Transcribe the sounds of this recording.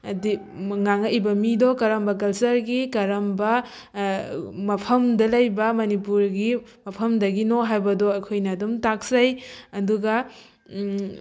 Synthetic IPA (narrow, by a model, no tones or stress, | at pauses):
ɐdi | ŋaŋɐʔibɐmidɔkɐɾɐmbɐkɐlsɐɾɡikɐɾɐmbɐ | mɐpʰɐmdɐlɐjbɐmɐnipuɾɡi | mɐpʰɐmdɐɡinoɦajbɐdɔɐkʰojnɐːdumtak̚sɐjɐduɡɐ